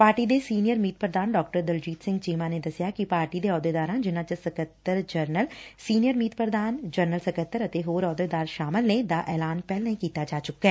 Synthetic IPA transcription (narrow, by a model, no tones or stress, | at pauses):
paːɾʈiːd̪eːsiːnijəɾmiːt̪̚pɾəd̪aːnɖɔːkʈəɾd̪əld͡ʒiːt̪sɪ̃ŋɡt͡ʃiːmãːneːd̪əsɪjaːkipaːɾʈiːd̪eːɔːd̪eːd̪aːɾãːd͡ʒɪnãːt͡ʃəsəkət̪ːəɾd͡ʒəɾnəlsiːnijəɾmiːt̪pəɾd̪aːnd͡ʒəɾnəlsəkət̪ːəɾət̪eːɦoːɾɔːd̪eːd̪aːɾʃaːmɪlneːd̪aːʔɛːlaːnpɛːlnəĩːkiːt̪aːd͡ʒaːt͡ʃʊkːɛː